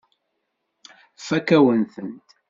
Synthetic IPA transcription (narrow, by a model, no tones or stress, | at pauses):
fækæwənθənt̪